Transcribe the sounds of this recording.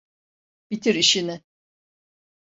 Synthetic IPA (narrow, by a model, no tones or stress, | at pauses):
b̥it̪ʰiɾiʃinɪ